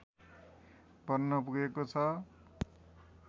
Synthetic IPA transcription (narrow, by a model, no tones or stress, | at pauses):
bʌrnʌpuɡekot͡sʰʌ